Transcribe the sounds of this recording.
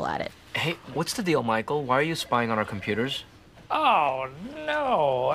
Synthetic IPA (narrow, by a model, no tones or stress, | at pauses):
l̩ˠə̰ɾɪ̰t̚ | heɪwʌtsðɨdilˠmaɪkl̩ˠwaɪə˞jɨspaɪɪ̃ŋə̃ñə˞kʰm̩pʰj̥ʉɾə˞z̥ | oʊnoʊ